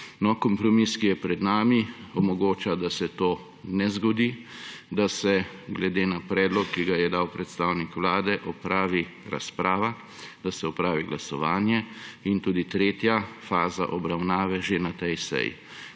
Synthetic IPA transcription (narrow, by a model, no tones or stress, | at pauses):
nɔkɔmpɾɔmiskijɛpɾɛd̪naːmiɔmɔɡoːt͡ʃad̪asɛt̪oː | nɛzɡɔd̪id̪asɛ | ɡlɛd̪eːnapɾɛːd̪lɔkːiɡajɛd̪awpɾɛt̪st̪aːwnikʋlaːd̪ɛʔɔpɾaːʋiɾa̰spɾaːʋa | d̪asɛɔpɾaːʋiɡlasɔʋaːnjɛint̪uːd̪it̪ɾeːt̪jafaːza̰ʔɔbɾawnaːʋɛʒenat̪ɛjsɛ̰jḭ